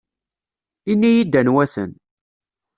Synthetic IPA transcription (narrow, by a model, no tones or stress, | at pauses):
inːijid̪ːænwæθə̰n